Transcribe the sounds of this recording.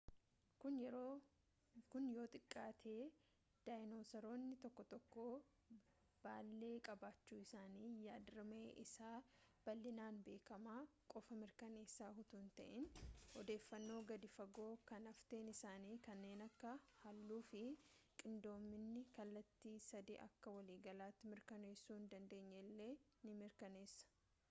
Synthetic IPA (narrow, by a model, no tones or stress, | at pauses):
kʊnjɛɾo | kʊnjo̞ːt̪ʼɪkʼːaːt̪ʰe̞ː | d̪̥aːjɪnoːsɐɾo̞ːnːɪt̪ɔkːɔt̪ɔkːo̞ː | b̥aːlːe̞ːkʼɐbaːt͡ʃːuːɪsaːniːjaːd̪ɾɐmeːʔɪsaːb̥ɐlːɪnaːnbe̞ːkɐmaːkʼɔfɐmɪɾkɐneːsːaːɦʊt̪uːnt̪ɐ̰ʔɪnhɔd̪e̞ːfːɐnːo̞ːɡɐd̪ɪfɐɡo̞ːkɐnɐft̪e̞ːnɪsaːniːkɐnːe̞ːnɐkːɐhɐlːuːfɪkʼɪnd̪o̞ːmːɪnːɪkɐlːɐt̪ːiːsɐd̪ḭːʔɐ̰kːɐwɐliːɡɐlaːt̪ːɪmɪɾkɐne̞ːsːuːɪnd̪ɐnd̪e̞ːɲːɛlːe̞ː | nɪmɪɾkɐne̞ːsːɐ̥